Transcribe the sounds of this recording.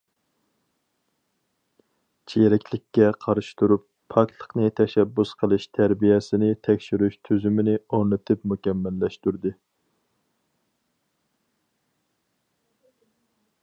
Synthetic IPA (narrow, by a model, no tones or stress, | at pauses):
t͡ʃʰijɛɾɛkʲlɪkʲːɛqʰɑɾɨʃi̥t̪uɾupʰːɑk̚t̪ʰlˠəqnɨt̪ʰɛʃɛbːusqʰəlˠɨʃt̪ʰæɾbijɛsɪnɪt̪ʰɛkʲʃyɾyʃt̪ʰyzymɪnɪoɾnɨt̪ʰɨpmukʲɛmːɛlːɛʃt̪uɾd̪ɨ